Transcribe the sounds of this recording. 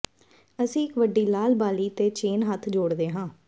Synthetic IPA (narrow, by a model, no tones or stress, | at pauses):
əsĩːɪkʋəɖːiːlaːlbaːliːt̪eːt͡ʃeːnɦət̪ʰd͡ʒoːɽd̪eːɦãː